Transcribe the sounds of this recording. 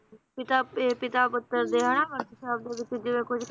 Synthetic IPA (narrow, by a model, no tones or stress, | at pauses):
pɪt̪aeːpɪt̪aːpʊt̪ːəɾd̪eːɦəɽ̃aʋəɾt̪ʃaːb̚d̪eːʋɪt͡ʃːd͡ʒɪʋẽːkʊd͡ʒʰ